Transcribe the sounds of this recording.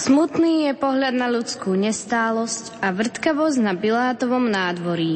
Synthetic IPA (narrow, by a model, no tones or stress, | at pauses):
smut̪niːjɛpɔɦʎad̪naʎut͡skuːɲɛst̪aːlɔscaʋr̩t̪kaʋɔzɟnapilaːt̪ɔʋɔmnaːd̪ʋɔɾi